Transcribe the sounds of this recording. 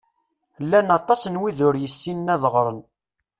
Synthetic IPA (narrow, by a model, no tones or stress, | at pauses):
lːænɑt̪ˤːɑsnwiðʊɾjəsːinːæðəʁɾˤən